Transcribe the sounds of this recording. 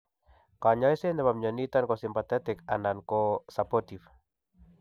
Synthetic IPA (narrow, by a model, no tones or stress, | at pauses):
kaɲɔisenɛβamɲɔnit̪ankɔsimpat̪ɛt̪ɪkandankɔsapɔtif